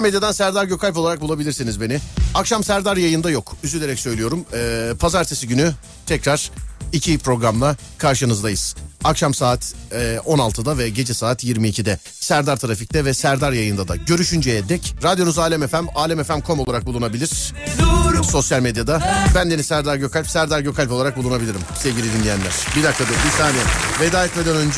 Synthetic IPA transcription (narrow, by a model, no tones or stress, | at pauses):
med̪jad̪ansæɾd̪aɾɟøkʰajʲp̬olˠaɾak̚bulˠabilʲiɾsinizbe̞nɪakʃamsæɾd̪aɾjajɯnd̪ajo̞kʰyzyd̪ʲeɾɛcsø̞jlʲijo̞ɾumɛːpʰazaɾt̪ʰesiɟyny | t̪ʰɛcɾaɾ̥icʰipɾo̞ɡɾamlˠa | kʰaɾʃɯnɯzd̪ajɯz̥akʃamsaːt̪ʰːʔo̞nalˠt̪ʰɯd̪avɛɟe̞d͡ʒɛsaːt̪ʰjiɾmiːcʰid̪ɛ | sæɾd̪aɾt̪ʰɯɾafic̚t̪ʰɛvɛsæɾd̪aɾjajɯnd̪ad̪a̰ɟø̞ɾyʃynd͡ʒejɛd̪ɛcɾad̪jo̞nuzaːlʲɛmefæmaːlʲɛmefæmkʰo̞mlˠaɾak̚bulˠunabilʲiɾ̥ | so̞sjalʲmed̪jad̪abænd̪enisæɾd̪aɾɟø̞kʰalʲpsæɾd̪aɾɟøkʰalʲpo̞lˠaɾak̚bulˠunabilʲiɾimsevɟilʲid̪inlʲijænʲæɾ̥bid̪ak̚t̪ʰad̪ɯbiɾt̪ʰaːnɛved̪aːjɛt̪me̞d̪ænønd͡ʒ